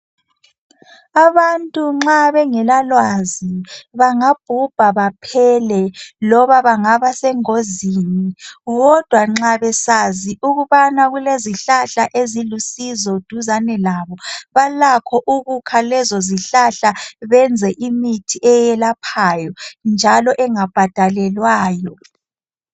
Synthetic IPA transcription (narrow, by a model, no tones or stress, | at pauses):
aβantʼuŋ͡ǁaβɛŋɛlalwaziβaŋab̥̚ʱub̥ʱaβapʰɛlɛlɔβaβaŋaβasɛŋoziːniɣɔd̥ʱwaŋ͡ǁaβɛsaziʔuɣuβanaɣuleziɬaɬaʔezilusizɔd̥ʱuzanɛlaːβɔβalakʰɔʔuɣukʰalɛzɔziɬaɬaβɛnd͡zʱɛʔimitʰiʔɛjɛlapʰajɔnd͡ʒʱalɔʔɛŋab̥ʱad̥ʱalɛlwaːjɔ